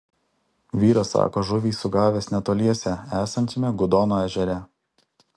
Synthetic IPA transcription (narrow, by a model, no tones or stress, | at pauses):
ʋʲiːɾɐsɑ̰ːkoːʒʊʋʲiːsʊɡɑːʋʲeːsnʲɛt̪oːlʲiɛsʲɛæːsɐnʲt̪ʲɪmʲɛɡʊd̪oːnoːæʒʲɛɾʲɛ